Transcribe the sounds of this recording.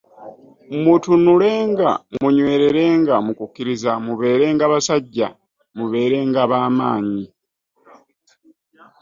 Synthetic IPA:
mutunule̞ːŋɡa̰muɲwe̞ːɾe̞ɾe̞ːŋɡamukukːiɾizamuβe̞ːɾe̞ːŋɡaːβasaɟːa | muβe̞ːɾe̞ːŋɡaːβaːmaːɲi

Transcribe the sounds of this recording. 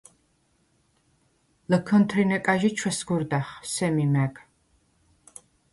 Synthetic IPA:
ləkʰɔnt̪ʰɾinɛkʼaʒit͡ʃʰwɛsɡuɾd̪aχsɛmimæɡ

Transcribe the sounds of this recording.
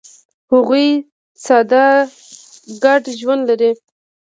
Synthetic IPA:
hʊɣuj | sɑd̪a | ɡaɖʒwand̪laɾi

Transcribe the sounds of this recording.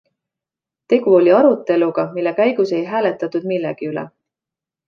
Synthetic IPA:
t̪e̞ɡ̥uo̞lʲiɑɾut̪ːˑe̞luɡ̥ɑmilːe̞kæjɡ̥use̞jɦæːlet̪ːˑɑt̪ːud̪̥milːɛ̰ɡ̥iylɛ̰

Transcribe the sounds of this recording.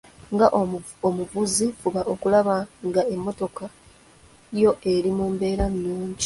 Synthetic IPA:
ŋɡaʔomuvuzifuβaʔo̞kulaβaŋɡae̞mːo̞to̞ka | jo̞ʔe̞ɾimuːmbe̞ːɾannuːɲɟi

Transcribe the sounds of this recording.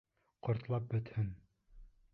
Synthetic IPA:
qŏɾt̪lˠɑp̚bɵ̆t̪hɘn

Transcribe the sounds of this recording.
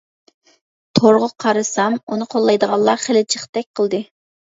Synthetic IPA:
t̪ʰoɾʁʊqʰɑɾɨsɑmunɨqʰolˠːɑjd̪əʁɑnlˠlːˠɑχelɪt͡ʃʰəχt̪ɛk̚ʲqʰəlˠd̪ɨ

